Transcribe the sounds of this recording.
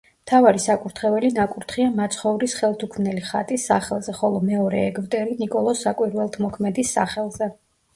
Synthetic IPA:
mt̪ʰavaɾisakʼuɾt̪ʰχɛvɛlinakʼuɾt̪ʰχiamat̪sʰχɔuɾisχɛlˠt̪ʰukʰmnɛliχa̰t̪ʼisːaχɛlˠzɛχɔlˠɔmɛɔɾɛ̰ːɡvd̪ʼɛɾinikʼɔlˠɔsːakʼwiɾwɛlˠt̪ʰmɔkʰmɛd̪isːa̰χɛlˠzɛ

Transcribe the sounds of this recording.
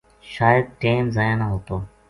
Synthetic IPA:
ʃaːjəd̪̚ʈeːmzaːjãːnaːɦoːt̪oː

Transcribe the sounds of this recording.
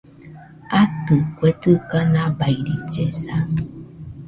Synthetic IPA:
atɨkwɛtɨkanabajdid͡ʒɛsa

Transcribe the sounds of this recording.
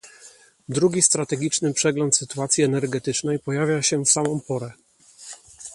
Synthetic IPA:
d̪ɾuɡʲist̪ɾat̪ɛɡʲit͡ʂnɘpʂɛɡlɔnt̪sɘt̪uat̪sʲjiɛnɛɾɡɛt̪ɘt͡ʂnɛjpɔjavʲjaɕɛfsamɔ̃mpɔɾɛ

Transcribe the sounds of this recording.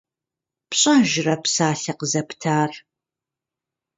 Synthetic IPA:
pɕʼaʒɪrɐpsaːɬɐqəzɐptʰaːr

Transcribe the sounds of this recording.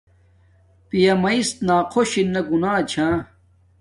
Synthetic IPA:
pijɐmɐist̪naːqʰoɕinːɐɡunaːt͡ɕʰãː

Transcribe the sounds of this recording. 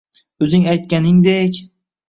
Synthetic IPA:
ɵzɪŋajt̪̚kʲanɪŋd̪ekʲ

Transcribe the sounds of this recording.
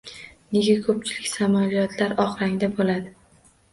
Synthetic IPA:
ne̞ɡʲakʰɵp̚t͡ʃʰɪlɪkʲsamalijɒt̪ʰlaɾɒχɾaŋd̪abolad̪ɪ

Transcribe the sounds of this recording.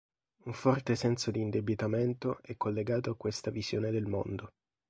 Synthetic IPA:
uɱfɔrt̪esɛnsod̪iːnd̪ebit̪ament̪oʔɛkːolːeɡaːt̪oakːwest̪aviz̥joːned̪elmo̰nd̪o

